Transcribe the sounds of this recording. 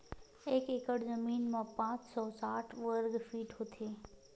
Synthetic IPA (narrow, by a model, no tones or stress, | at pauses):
eːkekəɽzəmiːnmãpãːt͡ʃsɔːsaːʈʰʋəɾɡfiːʈɦot̪ʰeː